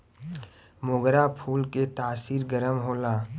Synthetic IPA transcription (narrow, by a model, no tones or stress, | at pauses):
mʊɡɾapʰuːlket̪aːsiːɾɡəɾəmɦoːlaː